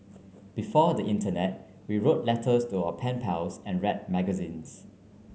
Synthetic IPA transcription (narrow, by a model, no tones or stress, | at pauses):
b̥ifɔdəʔĩntənɛt̚ | wiɹot̚lɛtʰəstuaʊəpʰɛ̃npʰɛlsɛ̃nɹɛt̚mɛɡəzĩns